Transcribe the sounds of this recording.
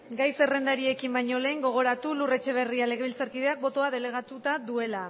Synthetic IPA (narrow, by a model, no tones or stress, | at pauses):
ɡajse̞re̞nd̪aɾie̞kimbajɲo̞le̞jŋɡo̞ɣ̞o̞ɾat̪ulure̞t͡ʃe̞β̞e̞riale̞ɣ̞e̞βilt͡saɾkið̞e̞ak̚bo̞t̪o̞að̞e̞le̞ɣ̞at̪ut̪aðue̞la